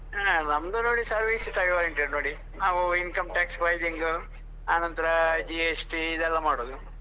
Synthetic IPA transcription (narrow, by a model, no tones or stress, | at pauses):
anɐmd̪unoːɽisɐɾʋisit̪ɐʋiʋaːɾɐɳʈeɖnoːɽi | naːʋuinkɐmʈaːksbʱɐjd̪iŋɡu | aːnɐnt̪ɐɾɐd͡ʒieːsʈiːd̪ɛlːɐmaːɽoːd̪u